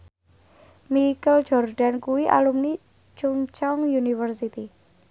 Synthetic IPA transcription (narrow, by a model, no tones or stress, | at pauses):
mikəl̥d͡ʒ̥ɔrɖ̥a̤nkuwiʔa̰lumni | t͡ʃuŋt͡ʃɔŋjunifərsit̪i